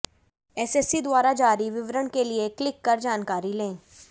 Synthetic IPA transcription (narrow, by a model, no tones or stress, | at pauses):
ɛːsɛsid̪waːɾad͡ʒaːɾiʋɪʋɾəɳ̃kelieklɪkːɐɾd͡ʒaːnkaːɾilẽː